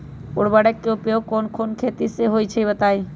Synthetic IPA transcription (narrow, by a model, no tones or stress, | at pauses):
ʊɽbəɽekːeupeokoːnkʰoːnkʰeːt̪iseɦoːit͡ʃʰəibət̪aːi